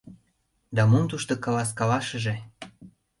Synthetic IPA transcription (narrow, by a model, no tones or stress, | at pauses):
d̪ɑmumt̪uʃt̪okɑlɑs̬kɑlɑʃə̆ʒe